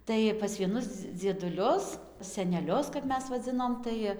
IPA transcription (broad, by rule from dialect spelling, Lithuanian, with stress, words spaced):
ˈtɐɪ pɐs ʋʲiɛˈnʊs d͡zʲiɛdʊˈlʲʊs sʲɛnʲɛˈlʲʊs kɐp ˈmʲɛs ʋɐˈd͡zʲɪnoːm ˈtɐɪ